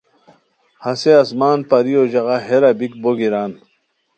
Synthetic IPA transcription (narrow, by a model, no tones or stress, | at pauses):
hɐseɐsmaːnpɐɾioːd͡ʑɐɣaɦeɾɐbikboɡiɾaːn